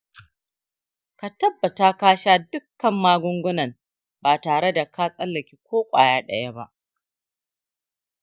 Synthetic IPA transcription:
ka˨tɐ˦bːɐ˨ta˦kaː˦ʃaː˦dʊ˦kːɐ˨mːaː˦ɡʷʊ˦ŋɡʷʊ˦nɐ˨n | baː˨taː˨ɽe˦da˨kaː˦sʼɐ˦lːɐ˨kʲi˦kʷoː˦kʷʼa̰ː˨jaː˦ɗɐ˦ja˦ba˦ʔ

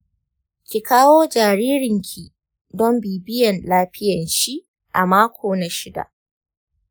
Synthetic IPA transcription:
kʲi˨kaː˦woː˦d͡ʒaː˨ɾiː˦ɾɪ˨ŋkʲʰi˨ | dɔ˦mbiː˨bɪ˦jɐ˨nlaː˦ɸɪ˦jɐ˨nʃi˦ | ʔa˨maː˦kʷʰoː˨na˨ʃɪ˦da̰˨ʔ

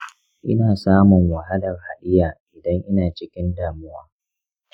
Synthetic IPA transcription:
ʔɪ̰˦naː˨saː˦mʊ˨ŋwɐ˨ɦa˦lɐ˨rha˨ɗɪ˦jaː˨ʔɪ˨dɐ˦ŋʔɪ˦naː˨t͡ʃɪ˦kʲɪ˦ndaː˨mʊ˦waː˦

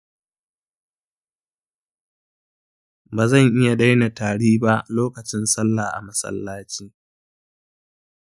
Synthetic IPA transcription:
baː˨zɐ˦˨ŋʔɪ˦ja˨ɗa˦jna˨taː˨ɽiː˦ba˦ʔloː˦kɐ˨t͡ʃɪ˦nsɐ˦lːaː˨ʔa̰˨mɐ˦sɐ̰˦lːaː˦t͡ʃiː˦

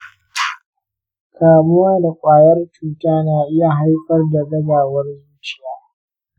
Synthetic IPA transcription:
kʰaː˨mʊ˦waː˦da˨kʷʼaː˨jɐ˦rt͡ʃuː˨taː˦naː˨ʔɪ˦ja˨ɦa˦jɸɐ˦rda˨ɡɐ˦baː˨wɐ˦rjɪ˦t͡ʃɪ˦˨jaː˦

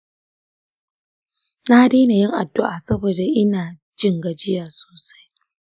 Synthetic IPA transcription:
na˦deː˦na˨jɪ˦ŋʔa˨dːʊ˦ʔa˨sɐ˦boː˨da˨ʔɪ˦naː˨ | d͡ʒɪ˦ŋɡa˨d͡ʒɪ˦jaː˨so̥ː˨sḁ˦j

